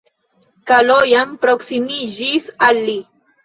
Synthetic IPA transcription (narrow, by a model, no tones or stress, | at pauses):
kalojampɾoksimiʒisali